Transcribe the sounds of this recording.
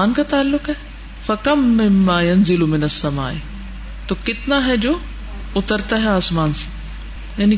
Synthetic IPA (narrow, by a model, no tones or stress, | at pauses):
aːnkat̪aːlːʊkɦɛː | fɐkɐmːɪmːaːjɐnzɪlʊmɪnɐsːɐma̰ːʔɪ | t̪okɪt̪naɦɛd͡ʑoː | ʊt̪əɾt̪aɦɛaːsmaːnsi̥ | jani